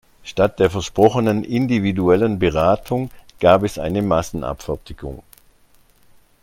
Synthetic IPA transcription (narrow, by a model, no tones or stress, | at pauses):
ʃtat̚d̥eːɐfɛɐʃpʁ̥ɔχənənʔɪndividuɛlənbəʁaːtʰʊŋɡ̥aːpɛsʔa̰ɪnəmasn̩ʔa̰pfɛɐtʰɪɡʊ̰ŋ